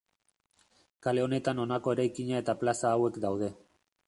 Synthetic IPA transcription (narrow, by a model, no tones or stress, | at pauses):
kale̞o̞ne̞t̪ano̞nako̞e̞ɾajkiɲae̞t̪aplasaːwe̞kd̪awð̞e̞